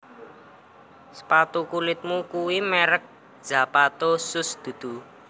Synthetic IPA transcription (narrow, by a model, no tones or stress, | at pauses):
spat̪ukulɪt̪̚mukuwimɛɾək̚ | d̥ʒ̥a̤pat̪osʊsd̪̥ṳd̪̥ṳ